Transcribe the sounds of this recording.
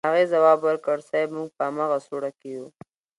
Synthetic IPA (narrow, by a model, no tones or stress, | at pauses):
aɣezawɑːbwəɾkəɽsabmʊŋɡ̚pəamaɣasoɽakeju